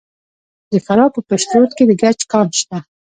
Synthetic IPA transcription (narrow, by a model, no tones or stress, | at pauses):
d̪əfaɾɑpəpaʃt̪ɾoɾt̪̚ked̪əɡat͡ʃkɑnʃt̪a